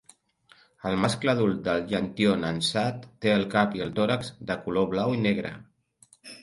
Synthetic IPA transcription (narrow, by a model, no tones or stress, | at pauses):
əlˠmaskləðul̚ˠd̪əlʒənt̪ionənsat̪ːeəlˠkapiəlˠt̪oɾəkzd̪əkuloβlawineɣ̞ɾə̰